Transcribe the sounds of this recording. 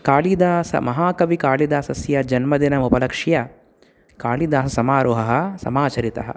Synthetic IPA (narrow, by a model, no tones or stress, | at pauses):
kaːlid̪aːsɐ̰mɐɦaːkɐʋikaːlid̪aːsɐsjɐd͡ʒɐnmɐd̪inɐmupɐlɐkʂijɐ | kaːlid̪aːsɐsɐmaːɾuɦɐɦɐ̆sɐ̰maːt͡ʃɐɾit̪ɐɦɐ̰